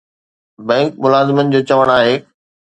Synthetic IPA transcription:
bɛ̃ːŋk̚mʊlaːzɪmənɪ̆d͡ʑoːt͡ɕɐʋəɽ̃aːɦeː

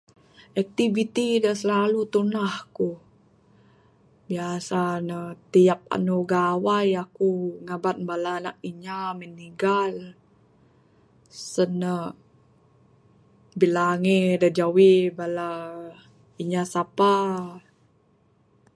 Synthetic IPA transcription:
ʔɛk̚t̪ivit̪idəsəlalut̪unahku | biasanət̪ijap̚a̰nuɡawajakuŋabat̪̚balanaʔiɲaməniɡal | sənə | bilaŋedəd͡ʒawibala | iɲasapa

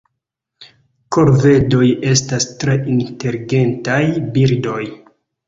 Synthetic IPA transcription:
ko̞ɾve̞do̞je̞stastɾe̞ʔinte̞ɾiɡe̞ntajbiɾdo̞j

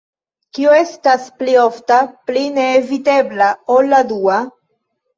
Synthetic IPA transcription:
kioe̞stasplioftapline̞ːvite̞blaolːadua

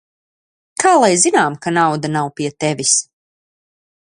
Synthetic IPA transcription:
kʰaːlˠajzinaːmkanawd̪anawpiɛt̪ɛvʲis

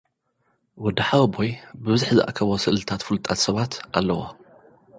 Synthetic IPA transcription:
wɔd̪ɐħawbojbɨβɨzuħzɨʔa̰kʰːɐβosɨʔlt̪ʰat̪fɨlt̪ʼat̪sɐβat̪ʔalːɐwo̰

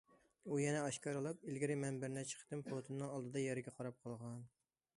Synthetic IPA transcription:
ujɛnɛɑʃkʲɑɾɨlˠɨpilɡʲɪɾɪmɛnbɪɾnɛt͡ʃʰə̥qʰə̥t̪ɪmpot̪ʰunnːɨŋɑlˠd̪ɨd̪ɑjɛɾɪɡʲɛqʰɑɾɑp̚qʰɑlˠʁɑn

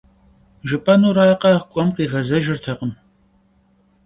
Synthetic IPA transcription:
ʒɨpʼɐnuːɾaːqɐkʷʼɔmqiːʁɐzɐʒɪrtʰɐqəm

